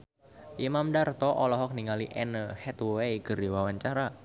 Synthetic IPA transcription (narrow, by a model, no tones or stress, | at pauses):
ʔimamdart̪ɔʔɔlɔɦɔk̚niŋaliʔɛnəhɛt̪wwejkərdiwawaɲt͡ʃaɾa